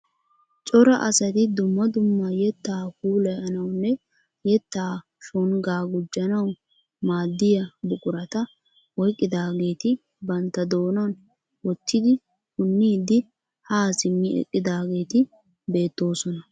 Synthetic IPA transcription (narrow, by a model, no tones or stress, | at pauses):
t͡ʃʼɔɾɐʔɐsɐt̪ɪd̪ʊmːɐd̪ʊmːɐjɛt̪ːaːkuːlɐjɐnɐwnːɛ | jɛt̪ːaː | ʃɔnɡaːɡʊd͡ʒːɐnɐw | maːd̪ːɪjɐbʊkʼʊɾɐt̪ɐ | wɔjkʼːɪd̪aːɡe̞ːt̪ɪ | bɐnt̪ːɐd̪o̞ːnɐn | wɔt̪ːɪd̪ɪ | kʊnːiːd̪ɪ | haːsɪmːɪʔɛ̰kʼːɪd̪aːɡe̞ːt̪ɪ | be̞ːt̪ːo̞ːsɔnɐ